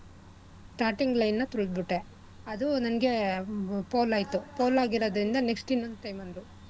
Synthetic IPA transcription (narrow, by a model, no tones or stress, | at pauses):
sʈaːɾʈiŋɡlɐjnːɐt̪uɭd̪̚biʈːe | ɐd̪unɐnɐɡe̞ | poːlaːjt̪upoːlaːɡiɾoːd̪ɾind̪ɐneksʈinond̪ʈɐjmɐnd̪ɾu